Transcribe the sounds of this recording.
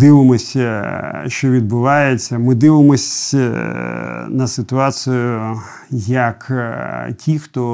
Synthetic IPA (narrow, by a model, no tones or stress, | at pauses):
d̪ɪʋɪmɔsʲɐ | ʃt͡ʃɔʋʲid̪̚bʊʋɑjet͡sʲːɐmɪd̪ɪʋɪmɔsʲ | nɐsɪt̪ʊɑsʲʊjʊ | jɐk | kʲʰixt̪ɔ